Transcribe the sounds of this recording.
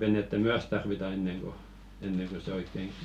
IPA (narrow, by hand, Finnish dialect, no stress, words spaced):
ʋenetːæ myæs tɑrʋitɑ enːeŋ ɡ̊o enːeŋ ɡ̊o se oikːeŋ